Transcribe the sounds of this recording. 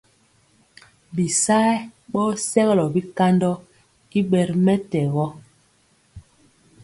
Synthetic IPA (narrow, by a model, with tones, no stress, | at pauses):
bi˨sa˦ɓɔ˦sɛ˦ɣlɔ˨bi˦ka˦ndɔ˦ | i˦ɓɛ˨ɾmɛ˦tɛ˨ɣɔ˦